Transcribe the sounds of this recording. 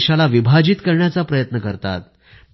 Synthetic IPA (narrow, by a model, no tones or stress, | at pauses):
ɕalaʋibʱad͡ʑiːt̪kəɾɳjat͡sapɾəjət̪nəkəɾt̪a̰t̪̚